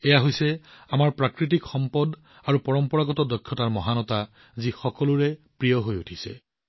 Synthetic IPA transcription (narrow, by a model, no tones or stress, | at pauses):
ɛjaɦojsɛamaɹpɹakɹit̬ikxɔmpɔd | aɹupɔɹɔmpɔɹaɡɔtɔdɔkʰːjɔtaɹmɔɦanɔta | zixɔkɔluɹɛpɹijɔɦojutʰisɛ̰